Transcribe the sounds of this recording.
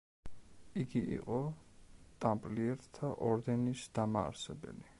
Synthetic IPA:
iɡiʔḭqʼɔ | t̪ʼampʼliɛɾt̪t̪ʰaʔɔɾd̪ɛnisd̪ama̰ːɾsɛbɛ̰li

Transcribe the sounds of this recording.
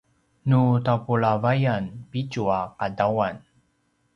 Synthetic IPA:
nutapuɭavajanpit͡ɕuaqadawan

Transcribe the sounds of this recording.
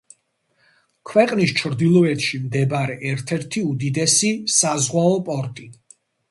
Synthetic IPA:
kʰwɛqʼnist͡ʃʰɾd̪ilˠɔɛt̪ʰʃimd̪ɛbaɾɛʔɛɾt̪ʰɛɾt̪ʰiud̪id̪ɛsisazʁwaɔpʼɔɾkʼi

